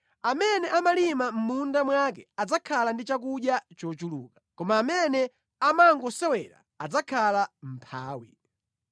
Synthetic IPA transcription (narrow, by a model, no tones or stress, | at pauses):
amɛnɛʔamalimam̩mundamwakɛad͡zakʰalandit͡ʃak̬uɗjat͡ʃɔt͡ʃulukḁkɔmaːmɛnɛ | amaŋɡɔsɛwɛɾa̰ːd͡zakʰalam̩pʰa̰ːwḭ